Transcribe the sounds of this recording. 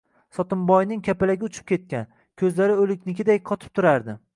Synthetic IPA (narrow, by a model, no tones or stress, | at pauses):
sɒt̪ɪmbɒjnɪŋkʲʰapɪlaɡʲɪʊt͡ʃʰɪ̥p̚kʲe̞t̪̚kʲan | kʲʰɵzlaɾɪɵlɪkʲnɪkʲɪd̪ajqʰɒt̪ʰɪ̥p̚t̪ʰʊɾaɾd̪ɪ